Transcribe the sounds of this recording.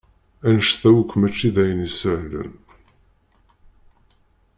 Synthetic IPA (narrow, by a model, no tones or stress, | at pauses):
ænəʃθæwəkʷːmæt͡ʃːiðæjənisəʕlə̰n